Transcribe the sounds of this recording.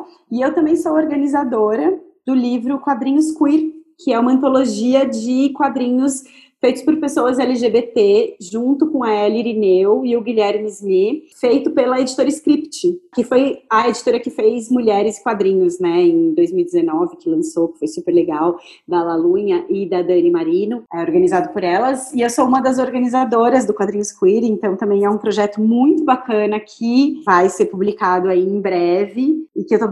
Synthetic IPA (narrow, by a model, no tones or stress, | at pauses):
ɪewt̪ɐ̃mbẽj̃sowoɾɡɐnizad̪oɾɐd̪̥ʊlivɾʊkwad̪ɾĩɲʊskwiɾkʰɪɛũmɐ̃nt̪oloʒiɐd͡ʒɪkwad̪ɾĩɲʊs | fejt̪ʊspʊɾpesowɐzɛlɪʒebet̪eʒũnt̪ʊkõɐɛliɾinewɪʊɡiʎɛɾmizmifejt̪ʊpelɐed͡ʒit̪oɾɐɪskɾipt͡ʃɪkɪfojɐed͡ʒit̪oɾɐkɪfejzmuʎɛɾɪzɪ̥kwad̪ɾĩɲʊznɛẽj̃d̪ojzmiwid͡ʒ̪ɪzenɔvɪkɪlɐ̃sokɪ̥fojsupeɾleɡaw | d̪ɐlalũɲɐʔɪd̪ɐd̪ɐ̃nɪmaɾĩnʊɛoɾɡɐnizad̪ʊpoɾɛlɐzɪewsoũmɐd̪ɐzoɾɡɐnizad̪oɾɐzd̪ʊkwad̪ɾĩɲʊskwiɾẽnt̪ɐ̃w̃t̪ɐ̃mbẽj̃ɛũpɾoʒɛt̪ʊmũj̃t̪ʊbakɐ̃nɐkʰɪvajseɾpublikad̪ʊaiẽj̃bɾɛvɪːkɪewt̪o